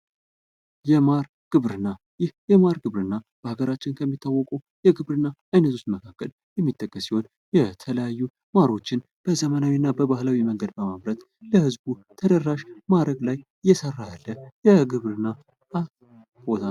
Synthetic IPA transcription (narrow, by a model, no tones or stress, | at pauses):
jɛmaɾ | ɡ̥ɨβɾɨnːa | jɪhjɛmaɾɡɨβɾɨnːab̥əhaɡəɾat͡ʃːɪnkʰəmːit̪ʰːawːɔkʼu | jɛɡɨβɾɨnːaajnət̪ʰust̪məkʰakːəl | jɛmːit̪ʼːəkʼːəsiho̞n | jɛt̪ʰələjajːu | maɾo̞t͡ʃːɪn | b̥əzəmənawinːabəβahlawiməŋɡəd̪bəmaβɾət̪ | ləhɨzbut̪ʰəd̪ərːaʃmad̪ɾəɡlaj | jːɛsərːaalːəjɛɡɨβɾɨnːa | a | bot̪ʰa